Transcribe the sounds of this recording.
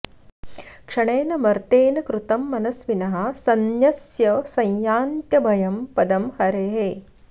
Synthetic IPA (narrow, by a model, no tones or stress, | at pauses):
kʂɐɳeːnɐmɐɾt̪eːnɐkɾut̪ɐmːɐnɐsʋinɐɦɐ̆sɐnjɐsjɐsɐ̃jjaːnt̪jɐbʱɐjɐmpɐd̪ɐmhɐɾeːɦeː